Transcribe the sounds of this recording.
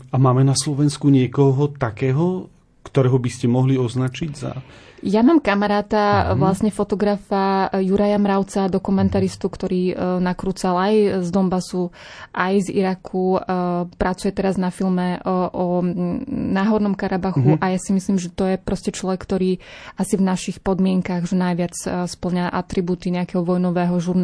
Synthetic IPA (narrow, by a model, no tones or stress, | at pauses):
amaːmɛnaslɔʋɛnskuɲɪɛkɔɦɔt̪akɛːɦɔ | kt̪ɔɾɛːɦɔbiscɛmɔɦliɔznat͡ʃiɟza̰jamaːmkamaɾaːt̪aʋlasɲɛfɔt̪ɔɡɾafajuɾajamɾaʊt͡sad̪ɔkumɛnt̪aɾist̪ukt̪ɔɾiːnakɾuːt͡salajzd̪ɔmbasu | ʔajzḭɾakʰupɾʔat͡sujɛt̪ɛɾaznafilmɛʔʔɔ | naːɦɔɾnɔmkaɾabaxuʔajasimisliːmʒɛt̪ɔjɛpɾɔscɛt͡ʃlɔʋɛkːt̪ɔɾiːasivnaʃixpɔd̪mɪɛŋkaɣʒɛnajʋɪat͡sspl̩ɲaʔat̪ɾibuːt̪iɲɛakɛɦɔʋɔjnɔʋɛːɦɔʒuɾn